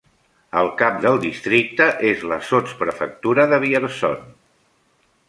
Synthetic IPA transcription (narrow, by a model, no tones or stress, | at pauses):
əlˠkap̚d̪əlˠd̪ist̪ɾik̚t̪əʔezləsot͡spɾəfə̰k̚t̪uɾəðəβ̞iəɾsɔ̰n